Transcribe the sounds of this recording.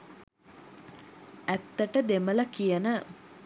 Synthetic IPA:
æt̪ːəʈəd̪emələkijənə

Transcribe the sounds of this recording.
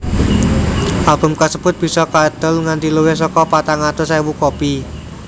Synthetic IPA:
ʔalb̥ʊ̤mkasəbʊt̪̚b̥i̤sɔkad̪̥ə̤lŋant̪iluwes̬ɔkɔpat̪aŋat̪osajwukopi

